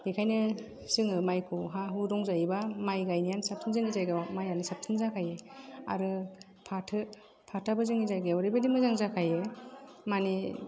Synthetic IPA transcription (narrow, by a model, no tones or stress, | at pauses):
ekʰajnɯ | sɯŋɯmajkʰuɦaɦudɔŋzajibamajɡajnijansap̚tʰɯnzɯŋizajɡɯmajanisap̚tʰɯnzakʰajea̰ɾɯ | pʰatʰɯ | pʰatʰabɯzɯŋizajɡewɾibadimɯzaŋzakʰajemani